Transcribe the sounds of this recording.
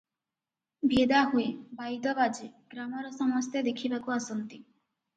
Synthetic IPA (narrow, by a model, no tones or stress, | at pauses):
bʱed̪aɦuebajd̪ɔbad͡ʒeɡ̥ɾamɔɾɔsɔmɔst̪ʰjed̪ekʰibakuasɔnt̪i